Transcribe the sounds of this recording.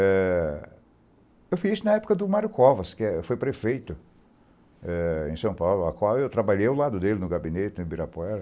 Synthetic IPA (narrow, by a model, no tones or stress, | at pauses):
ɛ | ewfizisʊnɐɛpʊ̥kɐd̪ʊmaɾjʊkɔvɐskɪɛfojpɾefejt̪ʊ | ɛḛ̃sɐ̃w̃pawlʊa̰kwawewt̪ɾabaʎejʊlad̪ʊd̪elɪnʊɡabinet̪ɪɪ̃biɾapɛɾ